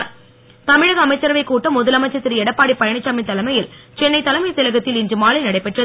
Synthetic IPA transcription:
ɾ | t̪ɐmɪɻɐɣɐːmɐɪt͡ʃːɐɾɐʋɐɪkːuːʈːɐmʊðɐlɐmɐɪt͡ʃːɐt̪ːɪɾiɛɽɐpːaːɽipɐjɐɳɪt͡ʃːaːmɐt̪ːɐlɐmɐjɪlt͡ʃɛnːɐɪt̪ːɐlɐmɐjsɛlɐɣɐt̪ːɪlɪndrɯmaːlɐɪnɐɽɐɪpːɛʈrɐ

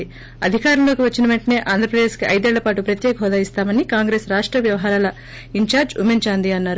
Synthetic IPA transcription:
i | ɐd̪ʱikaːɾɐmlo̞ːkiʋɐt͡ʃːinɐʋeɳʈɐne̞ːʔaːnd̪ɾɐpɾɐd̪e̞ːskiɐjd̪ɛːɭːɐpaːʈupɾɐt̪jɛːkɐɦɔːd̪aːist̪aːmɐnikaːŋɡɾe̞ːsɾaːʂʈɾɐʋjɐʋɐɦaːɾaːlɐ | iɲt͡ʃaːɾd͡ʒṵmeɲt͡ʃaːnd̪iɐnːaːɾu

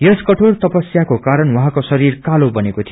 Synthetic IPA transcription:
jʌskʌʈʰort̪ʌpʌsjakokaɾʌnwʌɦãkosʌɾirkalobʌnekot̪ʰi

